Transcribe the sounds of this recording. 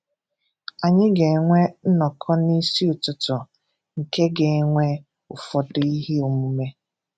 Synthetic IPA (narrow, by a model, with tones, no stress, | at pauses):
a˨ɲɪ˦ɡe˨ŋʷe˦n̩˦nɔ˨kʰɔ˦ni˦si˦ʊ˨tʊ˨tʊ˨ | ŋ̩˨ke˦ɡe˨ŋʷe˦ | ʊ˨fɔ˨dʊ˨i˦ɦe˦o˨mu˦me˦